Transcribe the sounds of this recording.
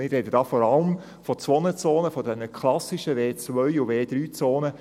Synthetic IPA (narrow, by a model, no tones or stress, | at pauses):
mɪɾrɛdəd̥ɑːfɔɾɑləm | fɔt͡sʋɔnət͡soːnəfɔd̪ɛnəkʰlɑsɪʃəveːt͡sʋœʏuveːd̪ɾyːt͡soːnə